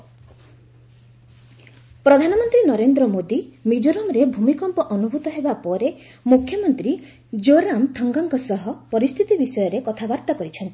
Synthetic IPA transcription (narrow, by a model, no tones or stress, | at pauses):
pɾɔd̪ʱanɔmɔnt̪ɾinɔɾend̪ɾɔmod̪imid͡ʒɔɾɔmɾebʱumikɔmpɔʔɔnubʱut̪ɔɦebapɔɾe | mukʰjɔmɔnt̪ɾi | d͡ʒoɾamt̪ʰɔŋɡɔŋkɔsɔɦɔpɔɾist̪ʰit̪ibisɔjɔɾekɔt̪ʰabaɾt̪akɔɾit͡ʃʰɔnt̪i̥